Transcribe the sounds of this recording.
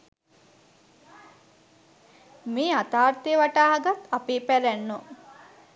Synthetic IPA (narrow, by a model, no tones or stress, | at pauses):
meːat̪aːrt̪ijəʋaʈaːɦaɡat̪apeːpæɾænːo